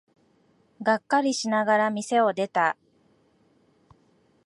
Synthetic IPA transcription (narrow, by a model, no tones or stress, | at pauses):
ɡakːaɾʲiɕinaɡaɾamʲise̞o̞d̪e̞t̪a